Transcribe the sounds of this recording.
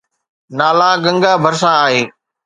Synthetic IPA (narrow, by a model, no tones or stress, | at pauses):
naːlaːɡə̃ŋɡaːbʱəɾsãaːɦeː